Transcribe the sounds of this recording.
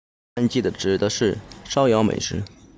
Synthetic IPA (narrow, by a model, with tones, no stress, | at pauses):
nt͡ɕi˥˩d̪ə˩ʈ͡ʂɻ̩˨˩d̪ə˦ʂɻ̩˥˩ʂɑ˥ʊjɑ˧˥ʊmḛ˨˩ɪʂɻ̩˧˥